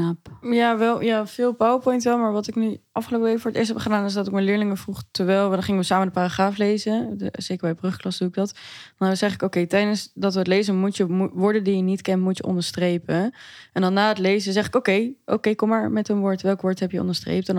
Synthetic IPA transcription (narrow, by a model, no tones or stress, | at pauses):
apjaʋɛlˠjafɪːlˠpawəpɔjntʋɛlˠmaːɹʋɑtɪknyʔɑfχəlowpəʋekfʊːɹətɪ̰ːɹstɦɛpχədaːnɪsdɑtɪkmɛlɪːɹlɪŋəvruχtəʋɛjlˠʋdɑnχɪŋəʋəsaːmədəpaːraχaːflejzəz̥ejkəɹbɛjbrɵχklɑsduɪɡ̚dɑtdnəz̥ɛχɪkokejtɛjdənsdɑtʋəətlejzəmutəmuʋʊːɹdəndijənitkɛntmutjəʔɔ̰ndəɹstrejpəɛndɑnːaːətlejzəzɛχɪkowkejʔo̰wkejkɔmːaːɹmɛtənʋʊːɹtʋɛlˠkʋʊːɹtɦɛpjəɔ̰ndəɹstrḛjptɛn